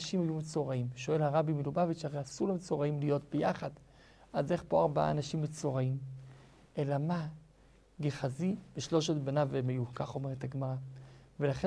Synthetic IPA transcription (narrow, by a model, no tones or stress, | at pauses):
ʃimhajumet͡so̞ʁaimʃo̞e̞lhaʁabimilubavitʃaʁeasuʁlemet͡so̞ʁaimlijo̞tbejaχad | aze̞χpo̞aʁba̰anaʃimːet͡so̞ʁaim | ʔe̞lama | ɡeχazib̥eʃlo̞ʃetbenavemejukaχo̞meʁet̪haɡmaʁavelaχe